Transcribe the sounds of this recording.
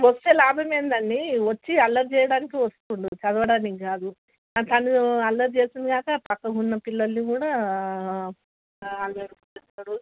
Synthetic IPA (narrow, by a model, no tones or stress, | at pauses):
ʋɐst̪eːlaːbʱɐme̞ːnd̪ɐɳːiʋɐt͡ʃːiɐlːɐɾt͡ʃɛːjɐɽaːnikiʋɐst̪uɳɖit͡ʃɐd̪ɐʋɐɽaːnikiɡaːd̪u | at̪ɐnːiɐlːɐɾt͡ʃeːsind̪iɡaːkɐpɐkːɐɡunːɐpilːɐlːikuːɽaː | ɐlʋeːɾukuɛsaːɽu